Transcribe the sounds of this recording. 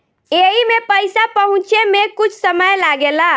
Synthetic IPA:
eɦimepəjsapəɦũt͡ʃemekut͡ʃʰsəməjlaɡela

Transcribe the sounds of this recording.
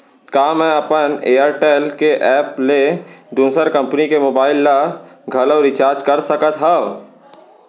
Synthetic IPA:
kaːmɛ̃ɐpəneːaɾʈeːlkeʔɛːpled̪uːsəɾkɐ̃mpnikemoːbaːɪlːaɡʱɐlɔːɾɪt͡ʃaːɾd͡ʒkɐɾsɐkət̪ɦa

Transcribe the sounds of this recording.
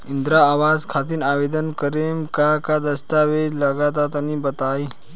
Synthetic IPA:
ind̪ɾaːʋazkʰat̪̬inaʋed̪ənkəɾemkakad̪əst̪aʋed̪laɡat̪̬at̪anibət̪ai

